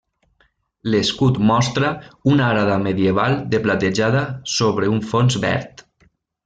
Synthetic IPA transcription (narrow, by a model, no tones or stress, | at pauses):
leskut̪mɔst̪ɾaunaɾaðameðjeβalˠd̪eplat̪eʒaðasoβɾeuɱfonzbɛ̰ɾt̪